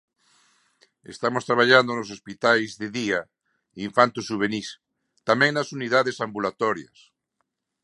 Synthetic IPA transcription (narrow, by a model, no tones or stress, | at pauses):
ḛst̪amost̪ɾaβ̞aʎand̪onosospit̪ajzðɪðia | iɱfant̪usuβ̞enis | t̪amɛ̃ŋnasuniðaðesambulat̪ɔɾjɐ̰s